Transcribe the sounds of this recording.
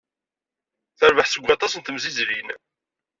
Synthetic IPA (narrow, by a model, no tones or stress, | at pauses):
θəɾvəħsəɡʷɑt̪ˤɑsənt̪əmzizlin